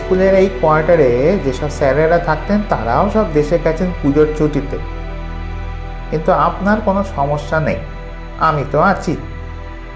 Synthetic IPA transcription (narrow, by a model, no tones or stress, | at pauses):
skuleɾejkoaɾʈaɾed͡ʑeʃɔbsɛɾaɾːat̪ʰak̚t̪ent̪aɾa̰oʃɔbd̪eʃeɾkɛt͡ɕʰenpud͡ʑoɾt͡ɕuʈit̪o̰ | kint̪uapnaɾkonoʃɔmoʃːanḛj | amit̪oat͡ɕʰi